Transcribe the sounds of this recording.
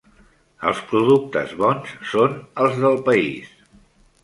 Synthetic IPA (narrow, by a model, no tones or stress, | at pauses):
ə̰lˠspɾuðuk̚t̪ə̰zβɔnsːonəlˠzðəlˠpəḭs